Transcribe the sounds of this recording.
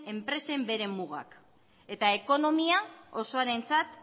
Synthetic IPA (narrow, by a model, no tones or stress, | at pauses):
e̞mpɾe̞se̞mbe̞ɾe̞muɣa̰k | e̞t̪aeko̞no̞miao̞so̞aɾe̞nt͡sat̪